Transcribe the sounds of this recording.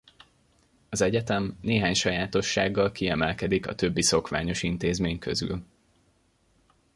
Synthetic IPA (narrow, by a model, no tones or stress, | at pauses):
ɒzɛɟɛt̪ɛmneːɦaːɲʃɒjaːt̪o̞ʃːaːɡːɒlkiɛmɛlkɛd̪ikɒ̰t̪ø̞bːiso̞kʋaːɲo̞ʃint̪eːzmeːɲkʰø̰zy̰l